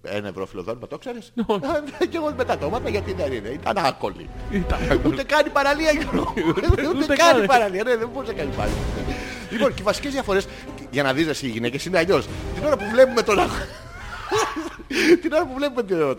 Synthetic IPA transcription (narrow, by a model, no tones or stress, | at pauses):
ḛnevɾo̰filoðonmɐt̪okse̞ɾeseceɣot̪imet̪ɐt̪o̞mɐt̪ɐʝɐt̪inɐðineit̪ɐ̰nɐko̰lḭɐkut̪ekɐnipɐɾɐliɐʝonoeuut̪et̪kɐipɐɾɐliɐneðemboɾisekɐnipɐ̰ɐ̰li | lipo̞nceivɐsi̥cezðiɐfo̞ɾe̞s | ʝɐnɐðizðɐsiːʝine̞cesineɐʎo̞st̪ino̞ɾɐpuvle̞pume̞t̪o̞nɐɣo | t̪ino̞ɾɐpuvlepumet̪iot̪